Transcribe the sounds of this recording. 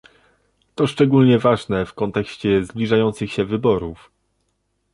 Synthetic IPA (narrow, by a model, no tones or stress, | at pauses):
t̪ɔʂt͡ʂɛɡulɲɛvaʐnɛfkɔnt̪ɛkɕt͡ɕɛzblʲiʐajɔnt̪sɘxɕɛvɘbɔɾuf